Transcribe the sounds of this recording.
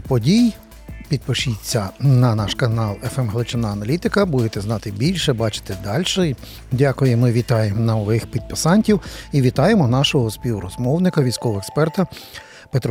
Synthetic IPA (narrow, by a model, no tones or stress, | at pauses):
pɔdʲij | pʲid̪̚pɪʃit͡sʲːɐnɐnɑʃkɐnɑlˠɛfɛmɦlˠɪt͡ʃɪnɑɐnɐlʲit̪ɪkɐbud̪et̪ɛznɑt̪ɪbʲilʲʃɛbɑt͡ʃɪ̥t̪ɛd̪ɑlʲʃɛ | dʲakʊjɪmɪʋʲit̪ɑjemɔnɐɔʋɪxpʲid̪̚pɪsɑnʲtʲiwiʋʲit̪ɑjemɔnɑʃɔɦɔspʲiwɾɔzmɔwnɪkɐʋʲijsʲkɔʋɔekspɛrt̪ɐ | pet̪ɾ